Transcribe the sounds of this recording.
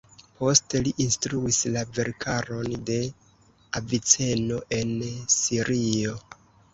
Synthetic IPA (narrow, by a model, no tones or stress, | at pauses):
po̞ste̞liʔinstɾuislave̞ɾkʰaɾo̞nde̞ | avit͡se̞no̞ʔe̞nsiɾʔio